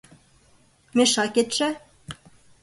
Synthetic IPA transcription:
meʃɑket̪ʃæ

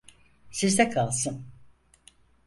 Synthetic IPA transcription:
sizd̪ɛkʰalˠsɯn

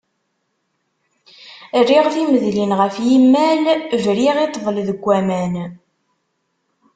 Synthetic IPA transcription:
rːiʁθiməðlinʁəfjimːælʒɾiʁit̪ˤːvˤəlðəɡʷːæmæn

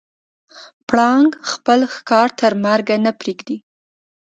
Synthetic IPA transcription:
pɽɑŋɡxpəlxkɑɾt̪ʰəɾmaɾɡanapɾeɡd̪i

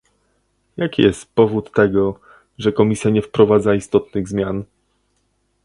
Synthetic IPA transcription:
jakʲijɛst̪pɔvut̪ːɛɡɔ | ʐɛkɔmʲisʲjaɲɛfpɾɔvad̪zaist̪ɔt̪nɘɣzmʲjan

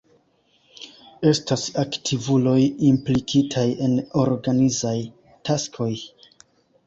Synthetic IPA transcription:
e̞stasaktʰivulo̞jimplikʰitʰaje̞no̞ɾɡanizaj | tʰaskʰo̞j

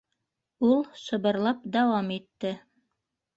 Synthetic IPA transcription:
ulˠsɤ̆βɤ̆ɾlˠɑp̚d̪ɑwɑmit̪ːɘ

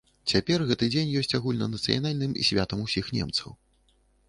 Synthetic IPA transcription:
t͡sʲapʲɛrɣɛt̪ɨd͡zʲenʲjɔsʲt͡sʲaɣulʲnɐnɐt̪sɨ̰ja̰nalʲnɨmḭsʲvʲat̪ɐmusʲixnʲɛ̰mt̪sɐ̰w

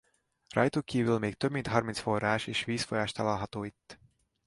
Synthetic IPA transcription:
rɒjt̪ukːiːvylmeːk̚t̪øbmint̪ɦɒrminsforːaːʃeːʃʋiːsfojaːʃt̪ɒlalɦɒt̪oːit̪ː

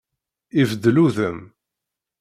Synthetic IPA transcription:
ivəd̪ːluðəm

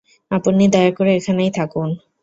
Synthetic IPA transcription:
apunːid̪ɔjaɾkoɾeekʰanajt̪ʰakun

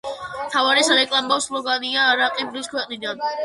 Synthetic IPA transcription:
t̪ʰavaɾɛsaɾɛkʼlˠambafslˠɔɡaniaːɾaqʼibliskʰwɛqʼnid̪an

